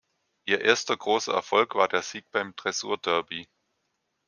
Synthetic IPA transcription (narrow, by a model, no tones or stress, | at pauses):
ʔiːɐʔeːɐstɐɡʁoːsɐ̰ɛ̰ɐfɔlkv̥aːɐdeːɐz̥iːk̚b̥aɪmtʁ̥ɛzṵːɐdœɐbi